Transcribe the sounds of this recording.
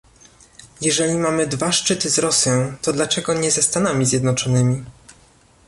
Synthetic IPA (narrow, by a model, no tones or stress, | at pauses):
jɛʐɛlʲimamɘd̪vaʂt͡ʂɘt̪ɘzɾɔsʲjɔ̃w̃t̪ɔd̪lat͡ʂɛɡɔɲɛzɛst̪anamʲizʲjɛd̪nɔt͡ʂɔnɘmʲi